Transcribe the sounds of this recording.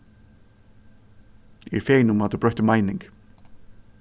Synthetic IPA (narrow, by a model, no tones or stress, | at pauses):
ɛ̰ɹfeːjnʊmat̪ubɾœht̪ɪmajnɪŋk